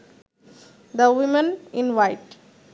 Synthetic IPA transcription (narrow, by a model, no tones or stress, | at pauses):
d̪əʋɪmə̃nɪ̃nʋaɪʈ